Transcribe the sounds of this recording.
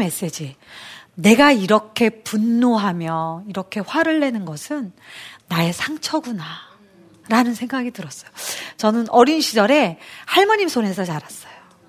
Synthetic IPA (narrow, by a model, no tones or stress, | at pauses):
me̞s͈ed͡ʑi | ne̞ɡaiɾʌkʰe̞punːoɦamjʌiɾʌkʰe̞ɸwaɾɯɭːe̞nɯnɡʌsʰɯnːae̞sʰaŋt͡ɕʰʌɡuna | ɾanɯnsʰe̞ŋɡaɡidɯɾʌs͈ʌjot͡ɕʌnɯnʔʌɾinɕʰid͡ʑʌɾe̞haɭmaɲimsʰonɦe̞sʰʌt͡ɕaɾas͈ʌjo